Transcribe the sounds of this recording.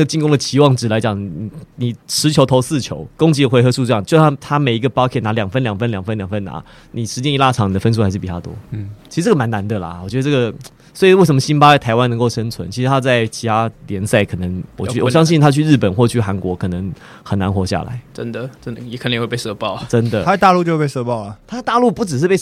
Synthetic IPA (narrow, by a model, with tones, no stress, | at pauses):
ə˥ɡə˩t͡ɕi˥˧ŋko˥ŋd̪ə˨˩t͡ɕʰi˧˥wɑ˥˩ŋʈ͡ʂɻ̩˨˩la˧˥ɪt͡ɕjɑ˨˩ŋ˨ni˨˩ni˨˩ʂɻ̩˧˥t͡ɕʰjo˧˥ʊt̪ʰo˧˥ʊsɹ̩˥˩t͡ɕʰjo̰˧˦ʊko˥ŋt͡ɕi˧˥ə˨xwe˧˥ɪxɤ˧ʂu˥˧ʈ͡ʂɤ˥˧jɑ˥˨˩t͡ɕo˥˧a˥t̪ʰa˥me˨˩ɪi˧˥ɡə˧pɑ˥ʊkʰɛ˥˩na˧˥ljɑ˨˩ŋfə˥nljɑ˨˩ŋfə˥nljɑ˨˩ŋfə˥˦nljɑ˨˩ŋfə˦na̰˧˥ | ni˨˩ʂɻ̩˧˥t͡ɕjɛ˥ni˧˥la˥˩ɑ˨˩ŋni˨˩də˩˦fə˥ns̬u˥xa˧˥ʂɻ̩˥˩pi˨˩t̪a˥˩t̪wɔ̰˥t͡ɕʰi˧˥ɻ̩˧ʈ͡ʂɤ˥˩ə˨ma˧˥nna˧˥nd̪ə˨la̰˩wɔ˨˩t͡ɕɥɛ˧˥d̪ə˧ʈ͡ʂɤ˥˩ə˩ | swɔ˧˥i˨we˥˩ɪʂə˧˦mə˧ɕi˥npa˥t͡sa˥˩ɪtʰɪwa˦nə˧˥ŋko˥˩ʊʂə˥nt͡sʰwə̰˧˦nt͡ɕʰi˧˥ʂɻ̩˧t̪ʰa˥t͡sa˥˩ɪt͡ɕʰi˧˥t̪ʰa˥ljɛ˧˥nsa˥˩ɪkʰɤ˨˩nə˧˥ŋwɔ˨˩t͡ɕʰy˥˨wɔ˨˩ɕjɑ˥ŋɕ̬i˥˨nt̪ʰa˥t͡ɕʰy˥˧ɻ̩˥˩pə˨˩nxwɔ˥˧t͡ɕʰy˥˩xa˧˥nkwɔ˧˥kʰɤ˨˩nə˧˦ŋ | xə˨˩nna˧˦˥nxwɔ˧˥ɕja̰˥˩la̰˧˥˦ɪʈ͡ʂə̰˦nd̪ə˨ʈ͡ʂə˦nd̪ə˨jɛ˦kʰnə˦˧˨we˥˧˩pe˥˧˩sɤ˥˧pɑ˥˩ʊʈ͡ʂə˦˥nd̪ə˨a˧t̪a˥˧lu˥˧t͡ɕjo˥˧pe˥˧sɤ˥˧pɑ˥˨ʊlə˩t̪ʰa˥˧˩t̪a˥˧lu˥˧pu˥˩ʈ͡ʂɻ̩˨˩ʂ̬̩˥˧pe˥˧